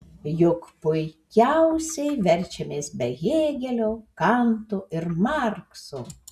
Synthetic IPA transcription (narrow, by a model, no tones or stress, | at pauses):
jʊkpʊɪkʲæʊsʲɛɪʋʲɛɾʲt͡ʃʲɛmʲeːsbʲɛɣʲeːɡʲɛlʲoːkɑnt̪uːʔɪɾmɑɾkso